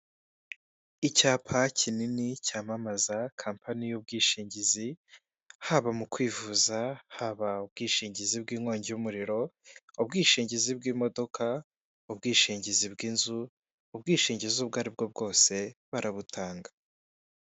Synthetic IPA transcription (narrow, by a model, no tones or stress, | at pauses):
icaːpʰacʰininicaːmamazakʰaːmpʰanijub̚ɡiːʃiːɲɟizi | haβamukwiːvuzahaβaub̚ɡiːʃiːɲɟizibɡiːŋwoːɲɟijumuɾiɾo̞ubɡiːʃiːɲɟizibɡiːmo̞do̞kʰa | ubɡiːʃiːɲɟizibɡiːnzu | ubɡiːʃiːɲɟizubɡaːɾib̚ɡo̞b̚ɡo̞ːse̞βaɾʔaβutʰaːŋɡa